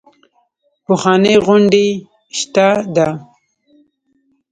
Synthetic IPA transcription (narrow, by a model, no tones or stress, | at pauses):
pʊxɑneɣʊɳɖe | ʃt̪ad̪a